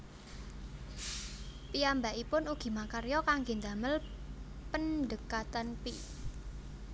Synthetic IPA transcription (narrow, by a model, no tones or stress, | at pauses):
piambaʔipʊnuɡ̥i̤makaɾjɔkaŋɡend̪aməlpənɖəkat̪anpi